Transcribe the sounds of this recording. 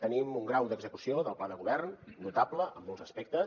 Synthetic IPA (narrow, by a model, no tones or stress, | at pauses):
t̪ənimuŋɡɾawd̪əɡzəkusioðəlˠplaðəɣuβɛrnnut̪abləʔəmːolˠzəspek̚t̪ə